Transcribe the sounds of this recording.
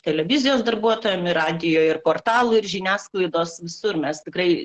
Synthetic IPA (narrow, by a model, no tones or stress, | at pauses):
t̪ʲɛlʲɛʋʲɪzʲɪjoːsd̪ɐrbuɔt̪oːjɛmɪrɑːd̪ʲɪjoːɪrpoːrt̪ɑːlˠʊɪɾʒʲɪnʲæːsklˠɐɪd̪oːsʋʲɪsʊrmʲɛst̪ʲɪkrɐɪ